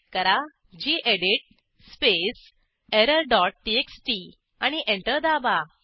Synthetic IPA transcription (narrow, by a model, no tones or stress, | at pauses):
kəɾa | d͡ʑiːʔeɽiʈ̚ | spes | eɾəlɖɔʈ̚ʈieksʈi | añiʔẽɳʈəɾd̪aba